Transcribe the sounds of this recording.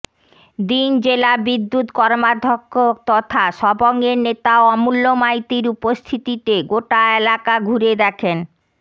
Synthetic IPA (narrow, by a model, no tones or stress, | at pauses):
d̪ind͡ʑelabid̪ːut̪kɔɾmad̪ʱokʰːot̪ɔt̪ʰaʃɔboŋeɾnet̪aoɔmulːomajt̪iɾupost̪ʰit̪it̪eɡoʈaelakaɡʱuɾed̪ɛkʰen